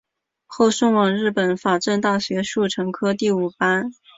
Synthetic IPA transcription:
xo˥˧ʊʂɤ˥ŋwɑ˨˩ŋɻɻ̩˥˩pə˨˩˦nfa˨˩ʈ͡ʂə˥˧nt̪a˥˩ɕɥɛ˧˥ʂu˥˩ʈ͡ʂʰɤ˧˥ŋkʰɤ˥t̪i˥˩u˨˩pa˥n

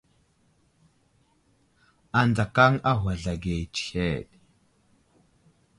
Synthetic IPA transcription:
a˨nda˨ka˦ŋa˦ɦa˨ɮa˨ɡe˨t͡ʃxe˦˨ɗ

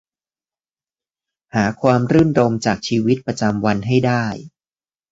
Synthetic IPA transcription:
haː˩˦kʰwaː˧mɾɯ˥˩nɾo˧mt͡ɕaː˨˩k̚t͡ɕʰiː˧wi˦˥t̪̚pɾa˧t͡ɕa˧mwa˧nɦa˥˩jdaː˥˩j

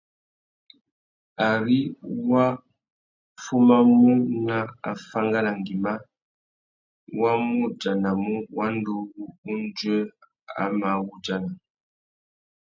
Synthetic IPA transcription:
a˨ɾi˦wa˦ | fu˦ma˦mu˦na˦a˨fa˦ŋɡa˦la˨ŋ˨ɡi˨ma˦ | wa˦mu˦d͡ʒa˨na˨mu˦wa˦n˦du˦ɣu˦u˦n˦d͡ʒə˦ | a̰˦ma˨˦wu˦d͡ʒa˦na˨

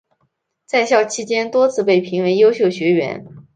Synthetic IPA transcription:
t͡sa˥˧ɪɕjɑ˥˩ʊt͡ɕʰi˥t͡ɕjɛ˥nt̪wɔ˥t͡sʰɹ̩˥˧pe˥˩ɪpʰi˧˥ŋwe˧˥ɪjo˥ʊɕjo˥˩ʊɕɥɛ˧˥ɥɛ̰˧˥n

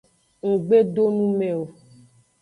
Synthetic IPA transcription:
o˨ɡ͡be˦ɖo˦nũ˦mɛ̃˨o˨

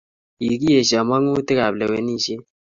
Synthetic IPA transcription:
ji˨ki˦je˨ʃa˨ma˦ŋu˦te˦ka˨blɛ˨we˨ni˦˨ʃe˦

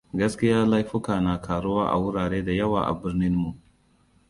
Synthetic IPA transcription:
ɡɐ˦skʲɪ˦jaː˦la˦jɸʊ˦kaː˨na˨kʰaː˨ɽʊ˦waː˦ʔa̰˨wʊ˦ɽaː˨ɽeː˦da˨jɐ˦wa̰ː˨ʔa̰˨bɪ˦ɾnɪ˦nmu˨ʔ

